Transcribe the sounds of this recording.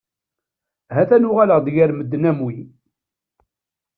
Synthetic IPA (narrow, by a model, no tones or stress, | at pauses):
ɦæθænʊʁaləʁd̪jæɾməd̪ːnæmwi